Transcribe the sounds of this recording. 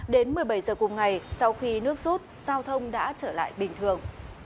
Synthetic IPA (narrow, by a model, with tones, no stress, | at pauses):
ɗe˨˦nmɨ˨˩əjɓa˧˩jzəː˨˩kʊ˨˩mŋ͡mŋa˨˩jsa˧wxi˧nɨ˦˥ək̚zu˦˥t̚z̥aː˧wt̪ʰə˧wŋ͡mɗa̰ː˧˥t͡ɕəː˧˩la̰ː˧˨jɓï˨˩ŋ̟t̪ʰɨ˨˩əŋ